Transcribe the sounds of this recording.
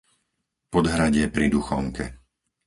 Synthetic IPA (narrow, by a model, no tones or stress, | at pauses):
pɔd̪ɦɾaɟɪɛpɾid̪uxɔŋkɛ